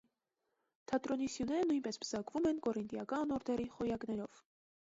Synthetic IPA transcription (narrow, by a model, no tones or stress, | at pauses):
t̪ʰɑt̪ɾɔnisjunɛɾənujnpɛspʰəzɑkvumɛnkɔɾint̪jɑkɑnnɔɾd̪ɛɾiχɔjɑknɛɾɔv̥